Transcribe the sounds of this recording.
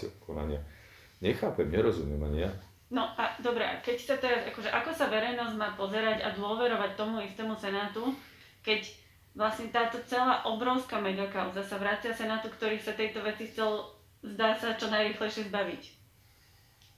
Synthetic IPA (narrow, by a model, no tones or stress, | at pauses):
kʰɔna̰ɲɪa̰ | ɲɛxaːpɛmɲɛɾɔzumjɛma̰ɲija | nɔʔad̪ɔbɾɛʔa̰kɛcsat̪ɛɾazakɔʒɛʔakɔsaʋɛɾɛjnɔzmaːpɔzɛɾaɟa̰d̪ʊɔʋɛɾɔʋac̚t̪ɔmuist̪ɛːmusɛnaːt̪u | kɛc | ʋlasɲɛt̪aːt̪ɔt͡sɛlaːʔɔbɾɔʊskamɛɡakaʊzasaʋɾaːt͡sɪasɛnaːt̪ukt̪ɔɾiːsat̪ɛjt̪ɔʋɛt͡sixt͡sɛl | zd̪aːsat͡ʃɔnajɾiːxlɛjʃɪɛzbaʋic